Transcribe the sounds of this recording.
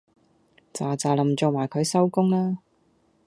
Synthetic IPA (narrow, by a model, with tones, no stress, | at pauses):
t͡saː˨t͡saː˨˧lɐ˨˩mt͡so˨˧wmaː˨˩jkʰɵ˨˧ɥsɐ˥wkʊ˥ŋlaː˥